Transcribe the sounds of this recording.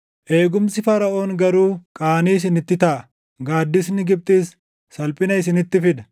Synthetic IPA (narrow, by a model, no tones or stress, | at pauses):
ʔe̞ːɡʊmsɪfɐɾɐʔo̞ːŋɡɐɾuːkʼaːniːɪs̬ɪnɪt̪ːɪt̪ɐʔɐ | ɡaːd̪ːɪs̬nɪɡɪb̚t̪ʼiːsː | ɐlpʼɪnɐɪsɪnɪt̪ːɪfɪd̪ɐ̥